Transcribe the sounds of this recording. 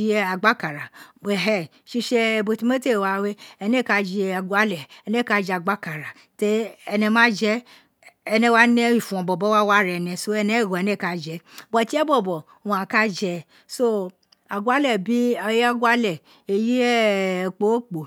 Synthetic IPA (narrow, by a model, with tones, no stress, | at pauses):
i˦a˨ɡ͡ba˦ka˨ɾa˨ɛ˨ɦɛ˨ʃi˦ʃɛ˦˧˨bo˧ti˦me˦te˦˨wa˧we˦ɛ˨nɛ˦˨ka˧d͡ʒi˨˧a˨ɡʷa˦lɛ˨ɛ˧˨nɛ˦˨ka˧d͡ʒɛ˧˨a˨ɡ͡ba˦ka˨ɾa˨ | te˦ɛ˧nɛ˧mã˦d͡ʒɛ˦ | ɛ˧nɛ̃˦wa˦nɛ̃˦i˨fũ˨ɔ̃˨bɔ˨bɔ˦wa˦wa˦ɾɛ˨nɛ̃˨so˦ɛ˧nɛ˦˨ɡɔ˨ɛ˨nɛ˦˨ka˨d͡ʒɛ˨bɔ˨ti˦ɛ˦bɔ˨bɔ˨ | wa˨ka˦d͡ʒɛ˧ | so˦ | a˨ɡʷa˦lɛ˨bi˦˨˦a˦ɡwa˦lɛ˨ | e˨ji˦ɛ˦˨k͡po˨˦o˦k͡po˨